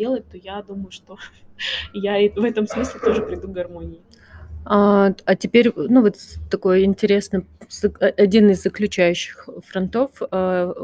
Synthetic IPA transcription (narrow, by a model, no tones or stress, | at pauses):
elˠət̪̚ʲt̪o̞jad̪uməjʊʂt̪o̞ | jaivɛt̪əmsmɨsʲlʲɪt̪o̞ʐɨpɾʲɪd̪uɡɡɐrmo̞nʲɪɪ | aɐtʲɪpʲeɾʲnuvo̞t̪t̪ɐko̞jəɪnʲtʲɪɾʲe̞snəzɐɐdʲinɨzːəklʲʉt͡ɕæjʉɕːɪ̥xfɾɐnt̪o̞fə